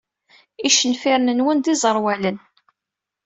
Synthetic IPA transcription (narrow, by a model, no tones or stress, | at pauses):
iʃənfiɾnənwənd̪izˤəɾˤwælən